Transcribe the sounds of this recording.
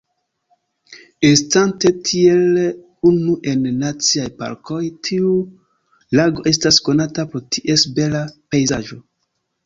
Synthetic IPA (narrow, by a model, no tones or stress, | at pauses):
estante̞tʰie̞l | unuʔe̞nːat͡siajpa̰ɾkʰo̞jtʰiu | laɡo̞ʔe̞s̬tasko̞natapoɾtʰiʔe̞sbe̞lapejzaʒo̞